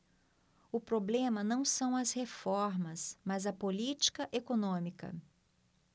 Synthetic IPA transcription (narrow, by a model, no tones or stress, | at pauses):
ʊpɾoblẽmɐnɐ̃w̃sɐ̃w̃ɐshefɔɾmɐsmɐzɐpolit͡ʃi̥kɐʔekonõmikɐ̰